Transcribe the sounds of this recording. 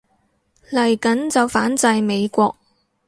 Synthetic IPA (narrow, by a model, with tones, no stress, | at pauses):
lɐ˨˩jkɐ˨˥nt͡sɐ˨˧wfaː˨˥nt͡sɐ˧jme˨˧jkʷɔː˧k̚